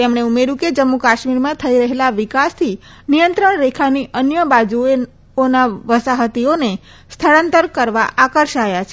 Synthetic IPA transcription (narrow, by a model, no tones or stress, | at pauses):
t̪emɳ̃eumeɾuked͡ʒəmːukaʃmiɾmãt̪ʰəiɾəɦelaʋikast̪ʰi | nijənt̪ɾəɳɾekʰaniʔənjəbad͡ʒue | onaʋəsaɦət̪ione | st̪ʰəɭant̪əɾkəɾʋaʔakəɾʃajat͡ʃʰe